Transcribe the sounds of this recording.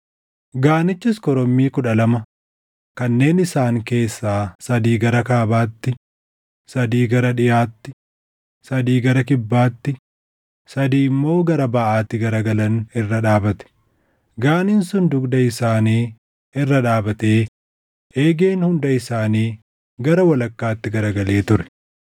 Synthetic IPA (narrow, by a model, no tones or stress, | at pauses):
ɡaːnɪt͡ʃːɪskɔɾɔmːiːkʊᶑɐlɐmɐ | kɐnːe̞ːnɪsaːŋke̞ːsːaːsɐd̪iːɡɐɾɐkaːbaːt̪ːɪ | sɐd̪iːɡɐɾɐᶑɪjaːt̪ːɪ | sɐd̪iːɡɐɾɐkɪbːaːt̪ːɪ | sɐd̪iːɪmːo̞ːɡɐɾɐbɐʔaːt̪ːɪɡɐɾɐɡɐlɐnɪrːɐᶑaːbɐt̪ɛ̥ | ɡaːnɪnsʊnd̪ʊɡd̪ɐɪsaːniː | ɪrːɐᶑaːbɐt̪eː | eːɡe̞ːnhʊnd̪ɐɪsaːniː | ɡɐɾɐwɐlɐkːaːt̪ːɪɡɐɾɐɡɐle̞ːt̪ʊɾɛ̥